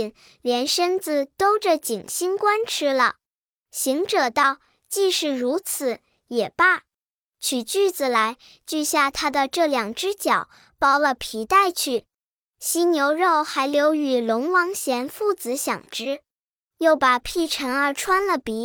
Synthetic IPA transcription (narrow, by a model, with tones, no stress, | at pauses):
n | ljɛ˧˥nʂə˥nt͡sɹ̩˧t̪o˥ʊʈ͡ʂə˨t͡ɕi˨˩ŋɕi˥nkwa˥nʈ͡ʂʰɻ̩˥lə̰˨ | ɕi˧˥ŋʈ͡ʂɤ˨˩t̪ɑ˥˧ʊ | t͡ɕi˥˧ʂɻ̩˥˩ɻu˧˥t͡sʰɹ̩˨˩˦ | jɛ˨˩pa˥˩ | t͡ɕʰy˨˩t͡ɕy˥˩t͡sɹ̩˨˩la˧˥ɪ | t͡ɕy˥˧ɕja˥˩t̪ʰa˥d̪ə˨ʈ͡ʂɤ˥˩ljɑ˨˩ŋʈ͡ʂɻ̩˥t͡ɕjɑ˨˩˦ʊ | pɑ˥˩ʊlə˨pʰi˧˥t̪a˥˧ɪt͡ɕʰy˥˩ | ɕi˥njo˧˥ʊɻo˥˩ʊxa˧˥ɪljo˧˥ʊy˨˩lʊ˧˥ŋwɑ˧˥ŋɕjɛ˧˥nfu˥˩t͡sɹ̩˧˥ɕjɑ̰˨˩ŋʈ͡ʂɻ̩˥ | jo˥˩ʊpa˨˩pʰi˥˩ʈ͡ʂʰə˧˥ŋə˞˧˥ʈ͡ʂʰwa˥nlə˨pi˧˥